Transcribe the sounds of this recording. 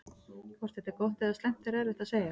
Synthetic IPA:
kʰvɔr̥t̪hɛht̪ɛɾkɔwht̪ɛðasɛm̥t̪ɪɾɛɾvɪht̪aseːja

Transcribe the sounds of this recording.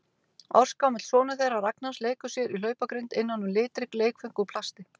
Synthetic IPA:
a̰w̥skawmɪt̪sɔːnʏθejraraknasleːjkʏsjɛɾilœːɥpakɾɪnt̪ɪnːanːʏmlɪːt̪ɾɪkleːjkfʏŋkupʰl̥ast̪ɪ

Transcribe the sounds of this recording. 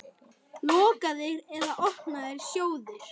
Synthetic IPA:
lɔːkaðɪɾɛðaʔɔhknaðɪɾ̥sjoːwðɪɾ̥

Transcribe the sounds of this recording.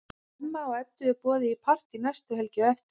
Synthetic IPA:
mːaɔɣɛt̪ːʏɛɾpɔːðɪipʰar̥t̪inɛst̪ʏɦɛlcɪɔɛft̪

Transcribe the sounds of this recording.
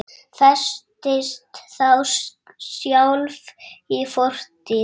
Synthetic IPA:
fɛst̪ɪst̪θaws | sjawlvifɔr̥t̪ɪ

